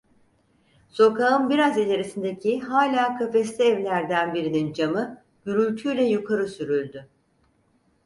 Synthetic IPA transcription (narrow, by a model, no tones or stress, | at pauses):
so̞kaɯnbiɾazilʲeɾisind̪ecʰiɦaːlʲaːkʰafɛslʲiɛvlʲæɾd̪ænbiɾinind͡ʒamɯ | ɟ̥yɾylʲt̪ʰylʲɛjukʰaɾɯsyɾylʲd̪y